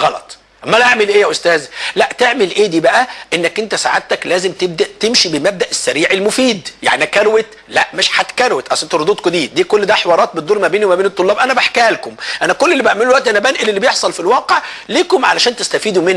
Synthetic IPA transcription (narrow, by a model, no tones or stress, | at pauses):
ɣɑlɑ̰t̪ˤ | mːælʔaʕmelʔeːjæʔost̪æːzlæʔt̪eʕmelʔeːd̪iːbæʔæʔenːækʔent̪æsa̰ʕad̪̚t̪æklæːzemt̪eb̚d̪æʔt̪emʃibemæb̚d̪æʔesːæɾiːʕelmofiːd̪ja̰ʕniækæɾwet̪ | læʔmeʃħat̪kæɾwet̪ʔæwsʔent̪æɾod̪uːt̪kod̪iːd̪iːkolːd̪æħewɑːɾˤɑːt̪̚bet̪d̪uːɾmæbeːniwemæbeːnet̪ˤːolːɑːbʔænæbaħkæːlkomʔænækolːelːibeʕmelːwæʔt̪iʔænæbænʔelelːibejeħsˤɑlfilwɑːqeʕliːkomʕalæʃæːnt̪est̪æfiːd̪umenː